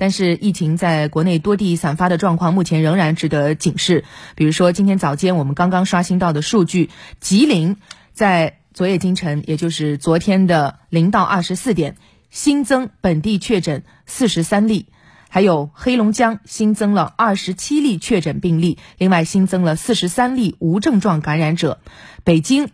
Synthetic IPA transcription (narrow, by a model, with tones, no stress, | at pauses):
t̪a˥˧nʂɻ̩˥˧i˥˩t͡ɕʰi˧˥ŋt͡sa˥˩ɪkwɔ˧˥ne˥˩ɪt̪wɔ˥t̪̬i˥˩sa˨˩nfa˥d̪ə˨ʈ͡ʂwɑ˥˧ŋkʰwɑ˥˧ŋmu˥˩t͡ɕʰjɛ˧˥nɻɤ˧˥ŋɻa˧˥nʈ͡ʂɻ̩˧˥˩t̪ɤ˧˥t͡ɕi˨˩ŋʂɻ̩˥˩pi˨˩ɻu˧˥ʂwɔ˥t͡ɕi˥nt̪ʰjɛ˥nt͡sɑ˨˩ʊt͡ɕjɛ˥nwɔ˨˩mə˦nkɑ˥ŋkɑ˥ŋʂwa˥ɕi˥ŋt̪ɑ˥˩ʊd̪ə˩ʂu˥˧t͡ɕy˥˩t͡ɕi˧˥li˧˥ŋ | t͡sa˥˩ɪ | t͡swɔ˧˥jɛ˥˩t͡ɕi˥ŋʈ͡ʂʰɤ˧˥ŋjʔɛ˨˩t͡ɕjo˥˧ʊʂɻ̩˥˩t͡swɔ˧˥t̪ʰjɛ˥nd̪ə˨ | li˧˥ŋt̪ɑ˥˧ʊʔɐ˥˩ʂɻ̩˧˥sɹ̩˥˩t̪jɛ˨˩n | ɕi˥nt͡sɤ˥ŋpə˨˩nt̪i˥˧t͡ɕʰɥɛ˥˩ʈ͡ʂə˨˩˦n | sɹ̩˥˩ʂɻ̩˧˥sa˥nli˥˩ | xa˧˥ɪjo˨˩ʊxe˥ɪlʊ˧˥ŋt͡ɕjɑ˥ŋɕi˥nt͡sɤ˥ŋlə˨ɐ˥˩ʂɻ̩˧˥t͡ɕʰi˥li˥˧t͡ɕʰɥɛ˥˩ʈ͡ʂə˨˩npi˥˧ŋli˥˩li˥˧ŋwa˥˩ɪɕi˥nt͡sɤ˥ŋlə˨sɹ̩˥˩ʂɻ̩˧˥sa˥nli˥˩u˧˥ʈ͡ʂɤ˥˧ŋʈ͡ʂwɑ˥˩ŋka˧˥nɻa˧˥nʈ͡ʂɤ˨˩˦pe˨˩ɪt͡ɕi˥ŋ